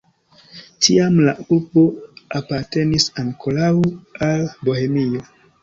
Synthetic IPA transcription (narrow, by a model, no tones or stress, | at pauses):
tʰiamlaulbo̞apaɾte̞nisaŋkʰolawalboɦe̞mio̞